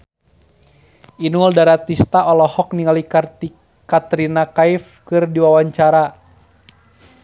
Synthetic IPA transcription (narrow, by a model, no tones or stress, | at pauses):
ʔinuldaɾat̪ist̪aʔɔlɔhɔk̚niŋalika | kat̪ɾinakaif | kɨrdiwawaɲt͡ʃaɾa